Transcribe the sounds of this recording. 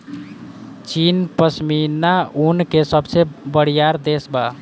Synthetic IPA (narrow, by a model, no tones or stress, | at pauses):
t͡ʃinpəsminaunkesəbsebəɽijaɾd̪esba